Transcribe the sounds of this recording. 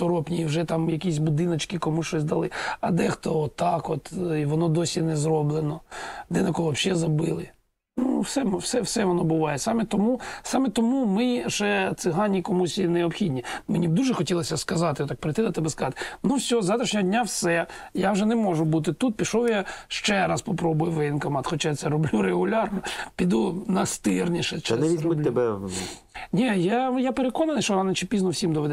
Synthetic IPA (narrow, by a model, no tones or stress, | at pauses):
t̪ɔɾɔpnʲiːwʐɛt̪ɑmjɐkʲisʲbʊd̪ɪnɐt͡ʃkɪkɔmuʃt͡ʃɔsʲd̪ɐlˠɪɐd̪ɛxt̪ɔɔt̪ːɑkɔt̪ʋɔnɔd̪ɔsʲinɛzrɔblˠenɔd̪ɛnɐkɔɔbʃɛzɐbɪlˠɪ | nuwsɛmwsɛfsɛʋɔnɔbʊʋɑjɛsɑmɛt̪ɔmusɑmɛt̪ɔmumɪʒɛt̪sɪɦɑnʲːikɔmusʲineɔpxʲidʲnʲimenʲibd̪uʒɛxɔtʲilˠɐsʲɐskɐzɑt̪ɪɔt̪ːak̚pɾet̪ɪd̪ɐt̪ɛbɛskɐzɑt̪ɪ̥nusʲɔzat̪ɾiʃnʲɛɔdʲnʲawsɛjawʒɛnɛmɔʐʊbut̪̬ɪt̪ut̪̚pʲiʃɔwjaʃt͡ʃɛɾɑspɔpɾɔbʊjʊʋɪnkɔmɑt̪xɔt͡ʃajat̪sɛɾɔblʲuɾeɣʊlʲɑrnɔpʲid̪unɐst̪ɪrnʲiʃɛt͡ʃnɛʋʲizʲmʊt̪ʲːɪbɛn | nʲijajapeɾekɔnɐnɪsʃt͡ʃɔɑnɐt͡ʃipʲiznɔwsʲimd̪ɔʋɛd̪ɛ